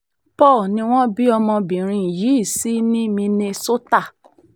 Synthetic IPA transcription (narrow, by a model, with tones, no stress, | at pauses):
pɔː˦˨nĩ˧w̃ɔ̃˦bi˦ɔ˧mɔ̃˧bĩ˨ɾ̃ĩ˧˨ji˨˦i˦˨si˨˦nĩ˦mĩ˧ne˧so˦ta˦˨